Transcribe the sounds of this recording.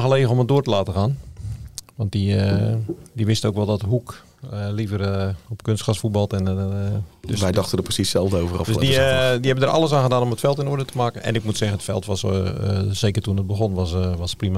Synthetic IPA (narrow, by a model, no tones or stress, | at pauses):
xəleːəɔmədoətəlaːtəxaːn | ʋɑnt̚di | diʋɪstəowkʋɛlˠdɔtəɦuk | livərɔpkønstkasfut̚bɑlˠtɛn | dsʋɛjdɑxtədəprəsisɛlˠvdəowvərɔfdøsdidiɦɛbəndəɾʔɑ̰lˠəs̬aːnɣədaːnɔmətfɛlˠtɪnoədətəmaːkənɛ̰nɪk̚mutsɛɣənətfɛ̰lˠtʋas | seːkərtunət̚bəɣonʋasʋasprima